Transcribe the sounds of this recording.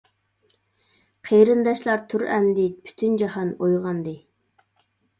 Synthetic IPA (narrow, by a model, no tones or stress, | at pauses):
qʰeɾɨnd̪ɑʃlˠɑɾt̪ʰyɾɛmd̪ɪpʰy̥t̪ʰynd͡ʒɑhɑnojʁɑnd̪ɨ